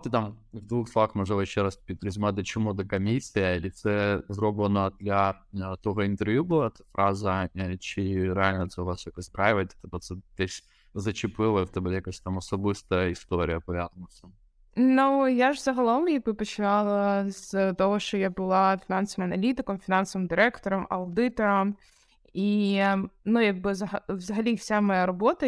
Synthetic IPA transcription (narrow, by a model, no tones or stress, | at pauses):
t̪ɨt̪amvd̪vuxsˠɐvaxmɨʐɛvɐɕːɛɾaspʲɪt̪ɾʲɪzʲmad̪ət͡ɕɪmud̪ɐkɐmʲisʲɪjlʲɪt̪sɛzɾobvənəɐd̪lʲɐt̪oɣəɪnt̪ɨrvjubɨlˠaɛt̪ə̥fɾʔazəat͡ɕɪɾalʲnət̪sɛvassʲokɨspɾavʲɪvət̪ʲɛ̥t̪əpɐt̪sɛt̪esʲ | zɐt͡ɕɪpɨlˠəft̪ɛblʲejɐkɐsʲt̪amɐsɔbɨst̪ɐɪst̪oɾʲɪjɐpɐvʲad̪nʊsʲɐ | nujaʐzɐɦɐlˠomjɐɡ̚bɨpɔt͡ʃɪnɑlˠɐz̥t̪ɔɦɔʃt͡ʃɔjabʊlˠɑafʲɪnɑnsɔʋɨmɐnɐlʲit̪ɪkɔmfʲɪnɑnsɔʋɨmd̪ɨɾɛkt̪ɔɾɔmɐ̰ʊd̪ɪt̪ɔɾɔm | i | nujaɡ̚bɨzɐɦɐʋzɐɦɐlʲifsʲamɔjaɾɔbot̪ɐ